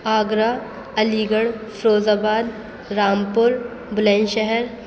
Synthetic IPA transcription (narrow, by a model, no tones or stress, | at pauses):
aːɡɾaː | ɐliːɡəɽfʰɾoːzaːbaːd̪ | ɾaːmpʊɾ | bʊlẽnʃɛɦɛɾ